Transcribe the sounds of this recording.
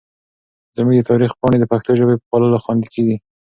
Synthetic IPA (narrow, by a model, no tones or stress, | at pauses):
zəmuɡd̪ət̪ʰɑɾixpɑɳed̪əpaxt̪oʒobepəpɑlɑlaxwɑnd̪iseɡi